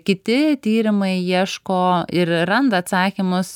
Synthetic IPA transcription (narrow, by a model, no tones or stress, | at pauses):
kʲɪt̪ʲɪt̪ʲiːɾʲɪmɐɪiɛʃkoːɪɾrɐnd̪ɐːt̪sɑːkʲɪmʊs